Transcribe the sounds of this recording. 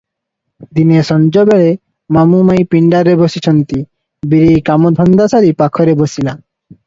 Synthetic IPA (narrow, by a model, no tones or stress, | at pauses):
d̪inesɔnd͡ʒɔbeɭe | mamumajpiɳɖaɾebosit͡ʃʰɔnt̪i | biɾikamɔd̪ʱɔnd̪asaɾipakʰɔɾebosila